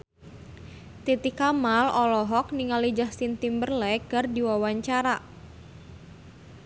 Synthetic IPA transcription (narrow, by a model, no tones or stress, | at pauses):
t̪it̪ikamalɔlɔɦɔk̚niŋalid͡ʒahsint̪imbərlɛɡardiwawaɲt͡ʃaɾa